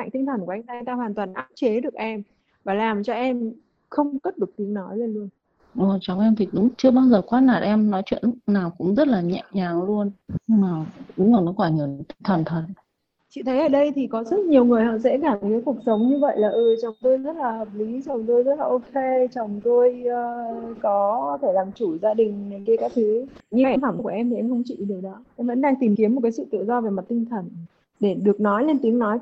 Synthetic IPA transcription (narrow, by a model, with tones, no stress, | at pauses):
ma̰˧˨ŋ̟t̪ï˧ŋ̟t̪ʰə˨˩nku˩ʔa˧ŋ̟t̪aː˧t̪aː˧hwaː˨˩nt̪waː˨˩nʔaː˦˥p̚t͡ɕe˨˦ɗɨ˨˩ək̚ʔɛ˧m | vaː˨˩laː˨˩mt͡ɕɔ˧ʔɛ˧m | xə˧wŋ͡mkə˦˥t̚ɗɨ˨˩ək̚t̪i˨˦əŋnɔ˨˦jle˧nlu˧ən | ʔo˨˩t͡ɕɔ˨˩wŋ͡mʔɛ˧mt̪ʰi˨˩ɗʊ̰˧˥ŋ͡mt͡ɕɨ˧əɓaː˧wzəː˨˩kwaː˨˦naː˨˩t̚ʔɛ˧mnɔ˨˦jt͡ɕwḭ˧˨əː˨aː˨˩wkʊ̰˧˥ŋ͡mzə˦˥t̚laː˨˩ɲɛ̰˧˨ɲaː˨˩ŋlu˧ənɲɨ˧ŋmaː˨˩ɗʊ˨˦ŋ͡mka˨˩nɔ˨˦kwaː˧˩ɲə˨˩n˨t̪ï˧ŋt̪ʰə˨˩nt̪ʰə˨˩t̚ | t͡ɕḭ˧˨t̪ʰə˨˦jʔəː˧˩ɗə˧jt̪ʰi˨˩kɔ˨˦zə˦˥t̚ɲi˨˩əwŋɨ˨˩əjɦɔ̰˧˨sɛ̰˧˥kaː˧˩mɨ˨˩kaː˨˦ku˨˩ək̚sə˨˦wŋ͡mɲɨ˧və̰˧˨jlaː˨˩ʔɨ˨˩t͡ɕə˨˩wŋ͡mt̪o˧jzə˦˥t̚laː˨˩həː˨˩p̚li˨˦t͡ɕə˨˩wŋ͡mt̪o˧jzə˦˥t̚laː˨˩ʔo˧kʰe˧t͡ɕə˨˩wŋ͡mt̪o˧jʔːkɔ˨˦t̪ʰe˧˩laː˨˩mt͡ɕu˧˩zaː˧ɗï˨˩ŋ̟na˨˩jkə˧kaː˦˥k̚t̪ʰɨ˨˦ɲɨ˧ɛ˧nfa˧˩mku˧˩ʔɛ˧mt̪ʰi˨˩ʔɛ˧mxə˧wŋ͡mt͡ɕḭ˧˨˩ɗɨ˨˩ɗɔ˨˦ʔɛ˧mvə̰˧˥nɗaː˧ŋt̪i˨˩mki˨˦əmo˨˩t̚kaː˨˦sɨ̰˧˨t̪ɨ̰˧˨zɔ˧ve˨˩ma˨˩t̚t̪i˧ŋ̟t̪ʰə˨˩n | ɗe˧˩ɗɨ˨˩ək̚nɔ˨˦jle˧nt̪i˨˦əŋnɔ˨˦j